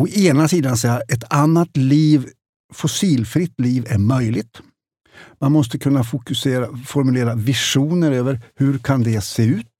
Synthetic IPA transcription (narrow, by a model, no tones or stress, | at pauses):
ɔʔeːnasiːd̪ansɛaʔɛt̪ʰanːat̪liːv | fʊsiːlfɾɪt̪ːliːvæɾmœjlɪt̪ | manmɔst̪əkʰɵnːafʊkɵseːɾafɔɾmɵleːɾavɪʂuːnəɾøːvəɾhɵɾkʰand̪ɛseːʉ̟ːt̪̚